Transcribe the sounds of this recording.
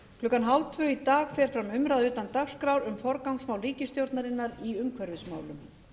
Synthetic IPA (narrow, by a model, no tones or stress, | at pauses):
kʰlʏːkːanɦalt̪ʰvʏit̪aːɣfɛɾ̥fɾamʏmɾaðʏːt̪ant̪axskɾawɾʏmfɔɾkawŋsmawlɾiːcɪst̪jowɾt̪naɾɪnːaɾiʏmkʰvɛɾvɪsma̰ːwlʏm